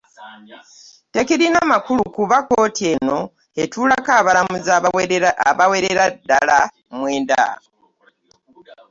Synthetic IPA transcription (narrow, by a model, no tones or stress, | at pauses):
tekiɾinamakulukuβakoːtie̞no̞ | etuːlakaβalamuz | βaweɾeɾadala | mweːnda̰o